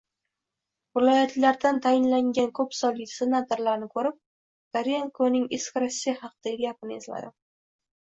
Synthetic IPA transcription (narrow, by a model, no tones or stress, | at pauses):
vɪlˠɒjat̪ʰlaɾd̪ant̪ʰajɪnlaŋʲankʰɵpsɒlɪkʲsenat̪ʰoɾlaɾnɪkʰɵɾɪp̚ | d̪̥aɾeŋkʰonɪŋɪskʲɾasʲːijahɑqʰɨd̪̥aɡɡʲapɨnezla̰d̪ɪ